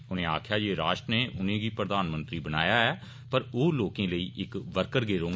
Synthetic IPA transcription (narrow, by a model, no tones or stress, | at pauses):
ʊnẽːa̰ːkʰjaːd͡ʒeːɾaːʃʈɾəneːʔʊnẽːɡiːpɾəd̪aːnmə̃nt̪ɾiːbəna̰ːjaːɛː | pəɾoːloːkẽːləiːʔɪkʋəɾkəɾɡeːɾõːŋɡ